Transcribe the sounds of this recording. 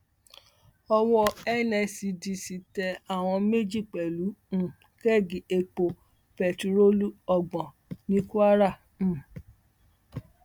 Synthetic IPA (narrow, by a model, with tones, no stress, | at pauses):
ɔ˧wɔ˧ɛ˦˨nɛ˧si˧di˨˧si˨tɛ˧a˦˨w̃ɔ̃˧me˦d͡ʒi˦˨k͡pɛ˨lũ˨˦˨ | kɛ˦˨ɡi˨e˧k͡po˧ | pɛ˨tu˧ɾo˦lu˦ɔ˧ɡ͡bɔ̃˨ | nĩ˦ku˦a˦ɾã˦˨